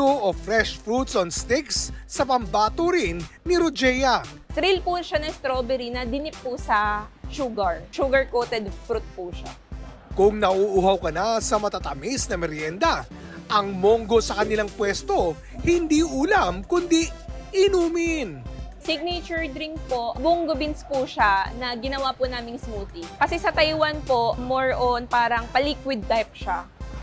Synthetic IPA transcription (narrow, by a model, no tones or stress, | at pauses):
oʔofɾɛʃfɾut̪sonst̪ɪksːɐpɐmbaːt̪oɾɪnːɪɾod͡ʒɛjɐ | t̪ɾilpʊʃanɐst̪ɾobɛɾinɐd̪ɪnɪp̚ːʊsɐʃuɡɐɹʃuɡɐɹkot̪ɛd̪fɾut̪̚pʊʃa̰ | kʊŋnɐʔuʔuhawkɐnasɐmɐt̪at̪ɐmɪsnɐmɛɾjɛnd̪ɐ | ʔɐŋmoŋɡo̞sɐkɐnɪlaŋpwɛst̪o̞ | hɪnd̪iʔuːlamkʊnd̪iɪnuːmɪnsɪɡ̚net͡ʃʊɹd̪ɾiŋk̚poʔbʊŋɡobɪnspuʃanɐɡɪnɐwapʊnaːmɪŋsmuːt̪ikɐsɛsɐt̪ɐjwanpo̞moɹʔonpaːɾɐŋpɐliːkwɪd̪̚t̪ajp̚ʃa